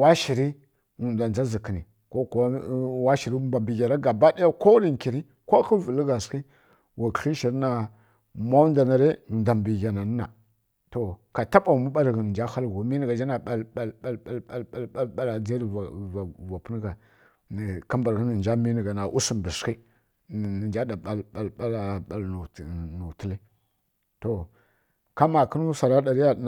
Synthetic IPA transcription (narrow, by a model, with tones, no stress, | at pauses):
wa˦ʃi˨ɾi˦ | wu˨n˨da˨nd͡ʒa˦zi˨ki˨ni˨ | ko˦kwa˦ʃi˨ɾi˦ba˨mbi˨ɡa˨ɾa˦ɡa˨ba˦da˦ja˦ko˦ɾi˦ŋ˨ki˨ɾi˦ | ko˦kə˦vu˨lə˦ɡa˨ski˦ | wa˨ki˦ʃi˨ɾna˨ | ma˦u˦n˦da˨na˨ɾe˦˨da˨mbi˨ɡa˨na˨n˦na̰˨ | to˨ka˨ta˦pa˨mu˦ɓa˦ɾɣə˨n˨d͡ʒa˦xa˦lɡu˨˦mi˦ni˨ɡa˨d͡ʒa˦na˨ɓa˨lɓa˨ɓa˨la˦˨la˨la˦la˦lɓa˦la˨d͡za˦ɾa˨va˨pə˦n˦ɡa˨ | ka˦mba˨ɾɣə˦nə˨n˨d͡ʒa˦mi˦ni˨ɡa˨na˨ʔu˦si˨m˨bi˨ski˦˨ | n˨nd͡ʒa˦da˨ɓa˨lɓa˨lɓa˦la˨ɓa˨lu˨nu˨ti˦li˦ | to˨ | ka˦ma˨kə˦n˦u˦sa˨ɾa˦da˨ɾi˦ja˦˨